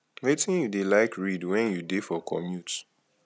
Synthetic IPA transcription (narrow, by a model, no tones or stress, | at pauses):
wetʰĩnjudelaɪkɹidwɛ̃njudefɔkʰɔ̰mjut